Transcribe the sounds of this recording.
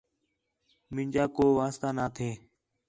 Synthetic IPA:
mɪ̃ɲʲd͡ʒaːkoːʋaːst̪aːnaːt̪ʰeː

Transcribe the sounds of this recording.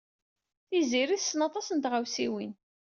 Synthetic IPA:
θiziɾiθəsənɑt̪ˤɑsənt̪ʁawsiwin

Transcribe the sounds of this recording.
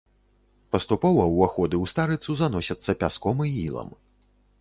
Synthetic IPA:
pɐst̪upɔvɐwaxɔd̪ɨwst̪aɾɨt̪suzanɔsʲɐt̪sːɐpʲaskɔmɨḭlˠɐ̰m

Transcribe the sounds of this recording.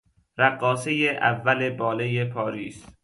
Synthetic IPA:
ɾæɡːɒːsejeʔæ̰vːæle̞bɒːlejepʰɒːɾiːs

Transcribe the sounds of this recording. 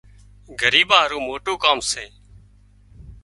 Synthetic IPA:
ɡʱəɾiːbãːɦɾuːmoːʈoːkaːmseː

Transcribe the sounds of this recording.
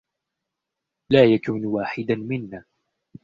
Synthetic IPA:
laːjakuːnwaːħɪd̪amɪnːaː

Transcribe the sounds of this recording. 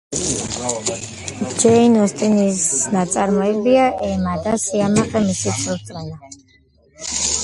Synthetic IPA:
d͡ʒɛinɔst̪ʼinisnat̪sʼaɾmɔɛbiaʔɛmad̪asiamaχɛmisiust̪ʼɛla

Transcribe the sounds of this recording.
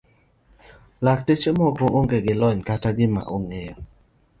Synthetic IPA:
lak̚tet͡ʃemɔɡɾɔŋʔoŋɡeɡɪlɔɲkataɡɪma̰ʔoŋejɔ

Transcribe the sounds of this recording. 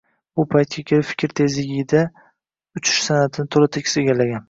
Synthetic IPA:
bʊpʰajt̪̚kʲakʲʰe̞lɪpfɪ̥kʲɾt̪ʰe̞zɪɡʲɪɪd̪a | ʊt͡ʃʰɪ̥ʃsanat̪ʰɪnɪt̪ʰolɪt̪ʰekʲɪseɡʲalaɡʲan

